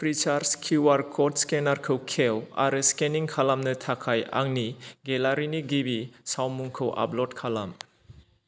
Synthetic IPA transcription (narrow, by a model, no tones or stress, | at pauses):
pʰɾit͡ʃaɾskʰuwaɾkʰɔtskenaɾkʰɯwkʰewa̰ɾɯskeniŋkʰalamnɯtʰakʰaja̰ŋniɡelaɾiniɡibisawmuŋkʰɯwʔa̰plɔt̚kʰalam